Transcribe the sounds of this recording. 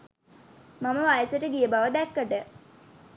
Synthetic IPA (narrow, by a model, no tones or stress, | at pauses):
maməʋajəsəʈəɡijəbaʋəd̪ɛkːəʈə